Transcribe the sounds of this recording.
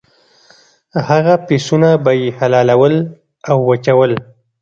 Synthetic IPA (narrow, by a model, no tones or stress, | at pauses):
haɣapesunabajihalɑlawəl | awːat͡ʃawəl